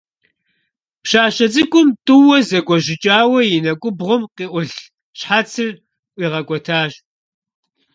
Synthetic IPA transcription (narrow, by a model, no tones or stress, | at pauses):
pɕaːɕɐt͡sʼɨkʷʼʊmtʼɨwɔzɐkʷʼɔʑɪt͡ʃʼaːwɐjɪnɐkʷʼʊbʁʷʊmqiːʔʷʊɬ | ɕħat͡sʰɨr | ʔʷiːʁɐkʷɔtʰaːɕ